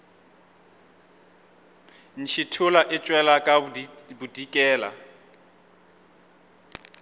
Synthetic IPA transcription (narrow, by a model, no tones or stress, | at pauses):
n̩ʃʰɪtʰʊlaʔɪt͡ʃʼwɛlakʼabudikʼɛːla̰